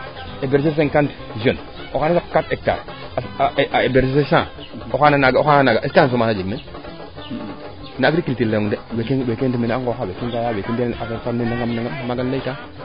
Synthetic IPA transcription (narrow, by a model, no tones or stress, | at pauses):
ebeɾs̬es̬eŋkant | ʒon | okanasakːatek̚ta̰ɾsebeɾsesesã | oxananaɡoxananaɡaʔeskas̬omasad͡ʒeɡme | naiɾikiltilːejoŋdewekewekentimenaŋɡoxawekentajawekendeafeɾtanenaŋɡamnaŋɡammaɡanleta